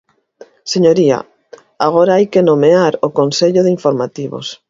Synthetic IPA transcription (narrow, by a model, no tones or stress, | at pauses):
seɲoɾia̰ | aɣ̞oɾaajkenomeaɾʊkonseʎʊðɪiɱfoɾmat̪iβo̰s